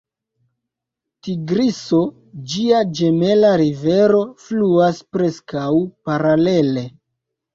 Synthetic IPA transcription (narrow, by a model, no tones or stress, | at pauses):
tiɡɾiso̞ | d͡ʒiad͡ʒe̞me̞laɾive̞ɾo̞fluaspɾe̞skawpaɾale̞le̞